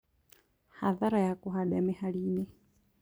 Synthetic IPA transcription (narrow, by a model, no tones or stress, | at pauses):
haðaɾajakuɦaɗamihaɺiːni